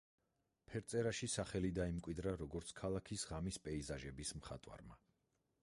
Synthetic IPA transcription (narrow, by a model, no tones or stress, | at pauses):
pʰɛɾt̪sʼɛɾaʃisaχɛlid̪aimkʼwid̪ɾaɾɔɡɔɾt̪sʰkʰalˠakʰisʁamispʼɛizaʒɛbismχa̰t̪ʼwa̰ɾma